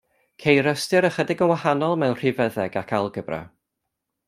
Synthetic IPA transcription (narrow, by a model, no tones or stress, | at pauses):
kʰejɾəstɨɾəχədɪɡənwahanɔlˠmɛwr̥ivəðɛɡakʰalˠɡəbra̰